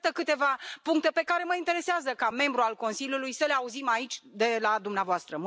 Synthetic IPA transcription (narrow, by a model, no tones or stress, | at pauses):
t̪əkɨt̪e̞vapuŋk̚t̪e̞pe̞kaɾe̞məint̪e̞ɾe̞seazəkame̞mbɾualko̞nsilʲjulujsəleauzimait͡ʃʲd̪e̞lad̪umneavoast̪ɾəm